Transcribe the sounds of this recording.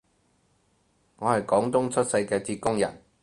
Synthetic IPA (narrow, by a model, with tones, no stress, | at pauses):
ŋɔː˨˧hɐ˨jkɔː˨˥ŋt̪ʊ˥ŋt͡sʰɵ˥t̚sɐ˧jkɛː˧t͡siː˧t̚kʊ˥ŋjɐ̰˨˩n